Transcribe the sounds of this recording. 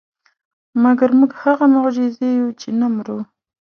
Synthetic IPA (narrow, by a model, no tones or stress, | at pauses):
maɡaɾmuɡhaɣamʊɣd͡ʒɪzejut͡ʃenamɾu